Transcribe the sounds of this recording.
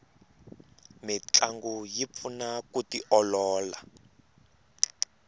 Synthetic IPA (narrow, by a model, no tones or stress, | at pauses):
mit͡ɬaŋɡujip̪funakutiʔɔlɔːla